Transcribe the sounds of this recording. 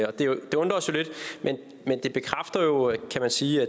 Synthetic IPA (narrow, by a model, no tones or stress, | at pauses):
ɒ̽d̥e̝d̥e̝ɔ̽nd̥ʁɐsjo̝le̝d̥mʔen | mend̥e̝b̥e̝kʰʁafd̥ɐjo̝kʰæmænsiːæ